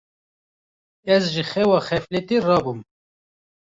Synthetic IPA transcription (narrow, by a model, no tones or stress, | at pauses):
ɛzʒixɛwɑːxɛflet̪erɑːbum